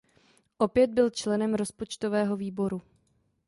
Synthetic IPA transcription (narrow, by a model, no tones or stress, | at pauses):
ʔo̞pjɛd̪̚bɪlt͡ʃlɛnɛmɾo̞spo̞t͡ʃt̪ovɛːɦo̞viːbo̞ɾu